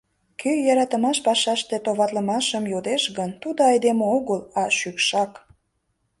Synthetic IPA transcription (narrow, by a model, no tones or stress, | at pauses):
kʰyjɑɾɑt̪əmɑʃpɑʃɑʃt̪et̪oβɑt̪ləmɑʃəmjod̪eʃɣənt̪ud̪oɑjd̪emeoɣəlɑʃykʃɑk